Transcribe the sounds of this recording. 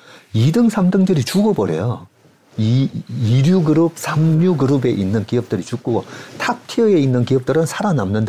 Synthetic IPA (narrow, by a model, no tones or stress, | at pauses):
idɯŋsʰamdɯŋdɯɾit͡ɕuɡobʌɾḛjo | iiɾjuɡɯɾɯp̚sʰamɲuɡɯɾube̞ʔinːɯnkiʌp̚t͈ɯɾit͡ɕuk̚k͈otʰap̚tʰiɯe̞inːɯnkiʌp̚t͈ɯɾɯnsʰaɾanamnɯnda